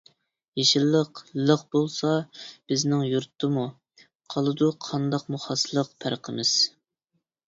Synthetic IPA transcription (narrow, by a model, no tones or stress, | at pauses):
jeʃilˠːəqlˠəqbolˠsɑb̥ɪznɪŋjuɾt̪ʰːɨmu | qʰɑlˠɨd̪uqʰɑnd̪ɑqmuχɑslˠəq̚pʰæɾqʰəmɪz̥